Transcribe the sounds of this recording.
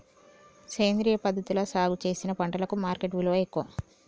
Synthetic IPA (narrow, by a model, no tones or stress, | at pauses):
seːnd̪ɾijɐpɐd̪ʱːɐt̪ulɐsaːɡut͡ʃe̞ːsinɐpɐɳɖɐlɐkumaːɾkeʈɡuloːekːuʋɐ